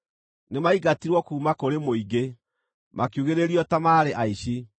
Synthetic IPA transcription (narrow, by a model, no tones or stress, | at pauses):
nemaiɣatiɾwɔkuːmakoɾemoiɡe | mʔakjuɣeɾeɾiɔtamaːɾeʔaiɕi